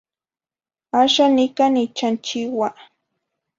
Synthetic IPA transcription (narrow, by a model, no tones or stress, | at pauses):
aʃanɪkanit͡ʃant͡ʃɪwa